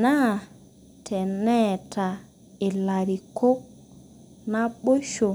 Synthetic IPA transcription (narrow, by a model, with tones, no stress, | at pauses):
na˦˨ | tʰɛ˨nɛ˦tʰa˨ | ɪ˨la˨ɾi˨ko˦k̚ | na˦ɓo˦ʃo˨